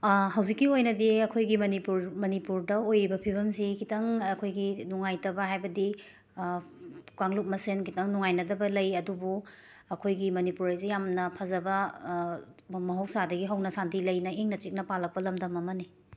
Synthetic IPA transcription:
ɦɐwzikːiojnɐdiɐkʰojɡimɐnipuɾmɐnipuɾdɐojɾibɐpʰibɐmsikʰitɐŋɐkʰojɡinuŋajtɐbɐɦajbɐdi | kaŋluk̚mɐsenkʰitɐŋnuŋajnɐdɐbɐlɐjɐdubu | ɐkʰojɡimɐnipuɾajzijamnɐpʰɐzɐbɐ | mɐɦɐw̚sadɐɡiɦɐwnɐsandilɐjnɐeŋnɐt͡ʃik̚nɐpalɐk̚pɐlɐmdɐmɐmɐni

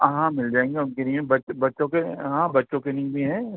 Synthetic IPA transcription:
ɦãmɪld͡ʒaːẽːŋɡeʊnkenĩẽbɐbɐtːʃõkeɦãbɐtːʃõkenĩbʱiɦɛ̃

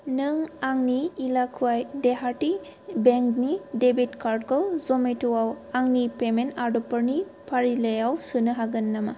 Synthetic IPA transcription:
nɯŋaŋniːlakʰuajdeɦaɾti | beŋknidebitkaɾd̚ɡɔwzɔmetɔwaw | aŋnipemenaɾdɔpɯɾni | pʰaɾiləjawsɯnɯɦaɡɯnːama

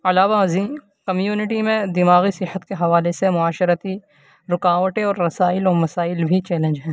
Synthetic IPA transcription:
ɐlaːʋaɐziːn | kɐmjuːnɪʈimẽd̪ɪmaːɣisɪɦət̪keɦɐʋaːlesemʊaːʃəɾət̪i | ɾʊkaːʋəʈẽɔːɾːɐsaːɪlɔːɾmɐsaːɪlbʱit͡ʃɛːlẽnd͡ʒɦɛ̃ː

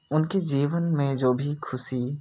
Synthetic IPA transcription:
ʊnkid͡ʒiːʋənmẽd͡ʒoːbʱikʰʊsi

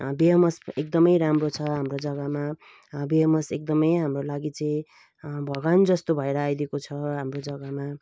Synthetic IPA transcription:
biɦʌmʌsekd̪ʌmʌjɾamrot͡sʰʌɦamrod͡zʌɡama | biɦʌmʌsek̚d̪ʌmʌjɦamrolaɡit͡sʌĩ | bʱʌɡand͡zʌst̪obʱʌeɾʌajd̪ekot͡sʰʌɦamrod͡zʌɡama

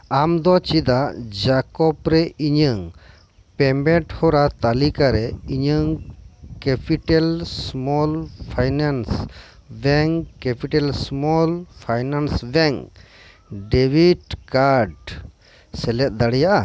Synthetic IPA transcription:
amd̪ɔt͡ʃid̪aʔd͡ʒakɔpɾɛiɲəŋ | pɛmbɛʈhɔɾat̪alikaɾɛiɲəŋkɛpiʈɛlsmɔlpʰajnans | bɛŋkɛpiʈɛlsmɔlpʰajnansbɛŋk | ɖɛbiɖkaɾɖ | sɛlɛt̪̚ˀd̪aɽɛjaʔa

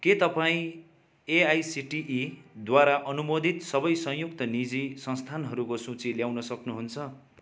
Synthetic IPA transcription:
ket̪ʌpaĩ | eajsiʈiʔid̪waɾaʔʌnumod̪ʱit̪sʌbʌjsʌ̃jjuk̚t̪ʌnid͡zisʌ̃nst̪ʰanɦʌɾukosũt͡siljawnʌsʌknuɦunt͡sʰʌ

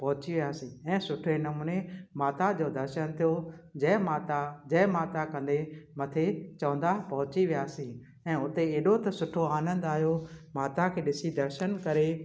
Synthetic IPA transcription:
pɐɦʊt͡ɕiʋijaːsĩɛ̃ːsʊʈʰenɐmuːnemaːt̪ad͡ʑoːd̪ɐɾʃənt̪ʰijod͡ʑɛ̃ːmaːt̪ad͡ʑɛ̃ːmaːt̪akɐ̃nd̪emɐt̪ʰet͡ɕɐʋə̃nd̪apɐɦʊt͡ɕiʋɪjaːsĩː | ɛ̃ːʊt̪eeːɗot̪ɐsʊʈʰoaːnə̃nd̪aːɦjomaːt̪akʰeːɗɪsid̪ɐɾʃənkɐɾe

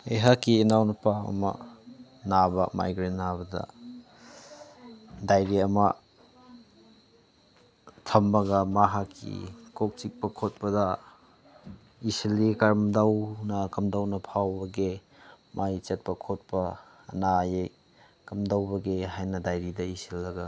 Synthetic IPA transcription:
ejɦakːiːnawnɐpawɐ̰mɐ̰ | nabɐ̰ma̰jɡɾennabɐdɐ̰ | dajɾiɐmɐ̰ | tʰɐmːɐɡɐmaɦakʰːḭkok̚t͡ʃik̚pɐkʰot̚pɐdɐ | isilikɐɾmdawnɐkɐmdawnɐpʰawbɐɡe | mʔajt͡ʃet̚pɐkʰot̚pɐː | najej | kɐmdawbɐɡeɦajnɐdajɾidɐisilːɐɡɐ

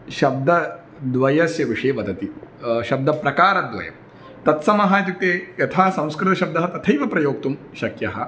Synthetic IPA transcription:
ʃɐb̚d̪ɐ | d̪ʋɐjɐsjɐʋiʂɐːʋɐd̪ɐt̪iʃɐb̚d̪ɐpɾɐkaːɾɐd̪ʋɐ̰jɐ̰m | t̪ɐt̪sɐmɐɦɐjɐt̪̬juk̚t̪eːjɐt̪ʰaːsɐ̃w̃skɾɪt̪ɐʃɐb̚d̪ɐɦɐt̪ɐt̪ʰɐjʋɐpɾɐjoːk̚t̪um | ʃɐkjɐɦɐ

